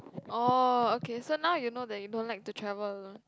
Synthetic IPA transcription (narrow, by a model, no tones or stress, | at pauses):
ʔookesonaʊjunodɛt̚judõnlaɪk̚tutʰɹɛvələlõn